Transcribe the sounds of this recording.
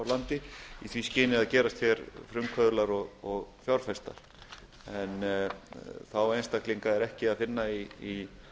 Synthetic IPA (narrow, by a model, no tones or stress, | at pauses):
wlant̪ɪiθviscɪːnɪaðcɛːɾast̪fjɛɾfɾʏmkʰvœðlaɾɔɣɔɣfjawɾ̥fɛst̪a̰ɾ̥ | ɛn | θawejnst̪akliŋkaɛɾɛhcɪaðfɪnːaii